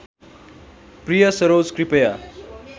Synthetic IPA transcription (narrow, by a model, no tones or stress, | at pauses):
prijʌsʌɾoːd͡zkɾipɐja